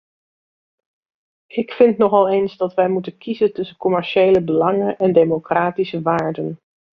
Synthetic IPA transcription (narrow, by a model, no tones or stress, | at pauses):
ɪkfɪntnɔχɑlˠejnzdɑtʋɛjmutənkʰizəntɵsəkɔmɛɹʃejləbəlɑŋənʔɛndejmokraːtisəʋaːɹdən